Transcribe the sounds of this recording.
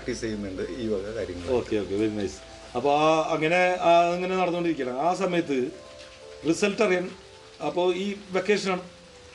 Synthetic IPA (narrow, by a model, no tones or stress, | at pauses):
ʈːisejmeɳɖɨiːʋɐɣɐkaɾiŋːɐo̞ːkːe̞o̞ːkːe̞ʋeɾinɐjsɨ̥ | ɐpːo̞aɐŋːɐne̞aiŋːɐne̞nɐɽɐnːuoɳɖiɾikʲːɐɳɐmaːsɐmɐjɐt̪̬ːɨ | risɐlʈːɐrijɐɳɐ | ɐpːo̞ːiːʋe̞kːeːʂɐnaːɳɨ